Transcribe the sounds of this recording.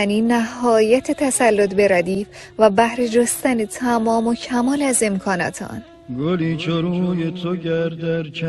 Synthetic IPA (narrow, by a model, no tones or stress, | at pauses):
æniːnæhɒːjæt̪ʰet̪ʰæsælːot̪be̞ɾæd̪iːf | væbæhɾed͡ʒost̪ænet̪ʰæmɒːmocʰæmɒːlæze̞mkʰɒːnɒ̰ːt̪ʰɒ̰n | ɡoliːt͡ʃʰoɾujet̪ʰoɟæɾd̪æɾt͡ʃʰ